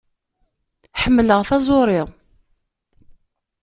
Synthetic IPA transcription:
ħəmːləʁθɑzˤʊɾˤɪʁ

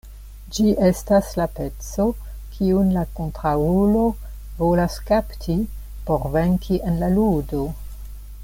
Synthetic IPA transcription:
d͡ʒiʔe̞staslape̞t͡so̞ | kʰiunlakontɾaulo̞ | vo̞laskaptʰi | po̞ɾve̞ŋkʰiʔe̞nlaludo̞

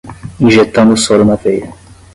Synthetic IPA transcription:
ĩʒet̪ɐ̃nd̪ʊsɔlʊnɐvejɾɐ

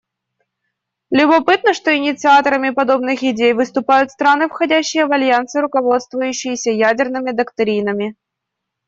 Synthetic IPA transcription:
lʲʊbɐpɨt̪nəʂt̪o̞ɪnʲɪt̪sɨat̪əɾəmʲɪpɐd̪o̞bnɨxɪdʲejvɨst̪ʊpajʊt̪st̪ɾanɨfxɐdʲæɕːɪjəvɐlʲjant̪sɨɾʊkɐvo̞t̪st̪vʊjʉɕːɪjɪsʲəjædʲɪrnɨmʲɪd̪ɐkt̪ɾʲinəmʲɪ

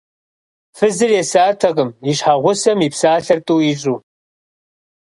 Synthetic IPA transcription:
fɨzɨrjɛsaːtʰɐqəmiɕħaʁʷʊsɐmipsaːɬɐrtʼuːiɕʼuː

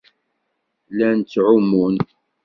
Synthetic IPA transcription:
lænt͡sːʕʊmːun

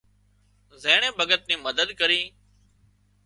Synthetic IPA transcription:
zeːɳẽːbʱəɡət̪̚nĩːməd̪əd̪kəɾiː

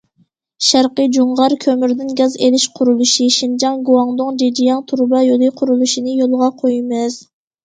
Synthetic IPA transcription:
ʃæɾqəd͡ʒuɴʁɑɾkʲʰømyɾd̪ɪnɡʲɛzelɪʃqʰʊɾulˠuʃiʃind͡ʒɑŋɡuwɑŋnʊŋd͡ʒed͡ʒijɑŋt̪ʰuɾbɑjolˠɨqʰʊɾulˠuʃinɨjolˠʁɑqʰojmɪz̥

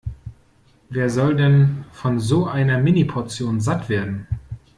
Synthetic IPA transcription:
veːɐzɔldɛnfɔnzoːʔaɪnɐmɪnipʰɔɐt͡sjoːnzatv̥eːɐdn̩

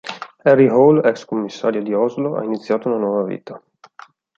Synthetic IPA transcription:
ɛrːiɦolɛkskomːisːaːɾjod̪iɔzloʔa̰init̪sːjaːt̪ounanwɔːvavḭːt̪a

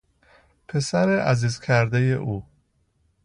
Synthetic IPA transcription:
pʰe̞sæɾeʔæziːzkʰæɾd̪ejeʔuː

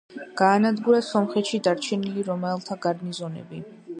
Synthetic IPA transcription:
ɡ̥aːnad̪ɡuɾasɔmχɛt̪ʃid̪aɾt͡ʃʰɛniliɾɔmɛlˠt̪ʰaɡaɾnizɔnɛ̰bi

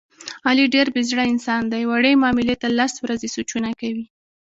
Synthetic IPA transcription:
ɑliɖeɾbɪzɽaɪnsɑnd̪ajwaɽemɑmɪlet̪alaswɾazesut͡ʃunakawi

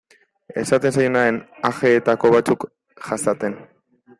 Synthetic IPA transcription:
e̞̰sat̪e̞nsajonaenaxe̞ːt̪ako̞βat͡suk | ʝasat̪e̞n

